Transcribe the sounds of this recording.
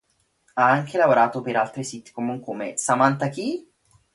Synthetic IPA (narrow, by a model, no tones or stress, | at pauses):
aaŋk̟elavoɾaːt̪opeɾalt̪ɾisit̪i̥komuŋkomesamant̪ak̟i